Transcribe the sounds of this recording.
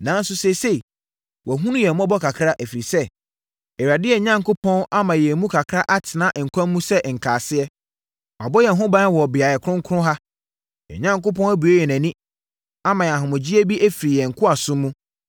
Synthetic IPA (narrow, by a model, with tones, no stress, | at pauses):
nã˨˦n˦sʊ˦se˨se˦i˨ | wɔ˨ɦũ˦nũ˦jɛ˨m˦ɔ̃˦bɔ˦kʰa˨kʰɾa˦ʔæ˨fi˨ɾi˨sɛ˦ | ɛ˨ɥa˨dɪ˦ɛ˨ɲã˦ŋkʊ˦pʰɔ̃˦na˦mã˨jɛ˨˦mũ˦kʰa˨kʰɾa˦ʔa˦tʰɪ˨nã˦ʔŋ̩˨kʷʰã˦mː˦ũ˦sɛ˦ʔŋ̩˨kʰaː˨sɪ˦ɛ˦ | a̰˨bɔ˦jɛ˨ɦʊ̃˦bã˦wɔ˨bɪ˨a˨jɛ˨kʰʊ˦ʊ̃˦ŋ˦kʰʊ̃˦ɦa˦ | ɛ̰˨ɲã˦ŋko˦pʰɔ̃˦næ˦bu˨e˦jɛ˨næ̃˨nĩ˦ | a˦mã˨jɛ˨a˨ɦʊ̃˨mʊ̃˨d͡ʑi˦æ˦bi˦ʔæ˦fi˨ɾi˨jɛ˨ŋ̩˨kʰʊ˦a˨sʊ̃˦mːũ˦